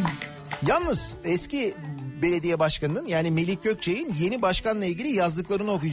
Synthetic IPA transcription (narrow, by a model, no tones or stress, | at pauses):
jalˠnɯz̥ɛscibe̞lʲe̞d̪ijɛbaʃkanɯnɯnjaːnime̞lʲic̚ːøc̚ʲt͡ʃʰejinje̞nibaʃkanlˠailʲɟʲilʲijazd̪ɯklˠaɾɯno̞kujd͡ʒ